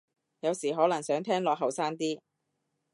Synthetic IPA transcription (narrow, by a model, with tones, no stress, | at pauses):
jɐ˨˧wsiː˨˩ɦɔː˨˥lɐ˨˩ŋsœː˨˥ŋt̪ʰɛː˥ŋlɔː˨kɦɐ˨wsaː˥ŋt̪iː˥